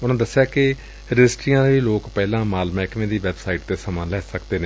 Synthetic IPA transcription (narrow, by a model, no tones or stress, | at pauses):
ʊnãːd̪əsːejaːkɪ | ɾɪd͡ʒɪsʈɾiːjãːd̪iːloːkpɛːlãːmaːlmɛːknẽːd̪iːʋɛːbsaːiːʈd̪eːsəmãːlɛːsəkd̪eːneː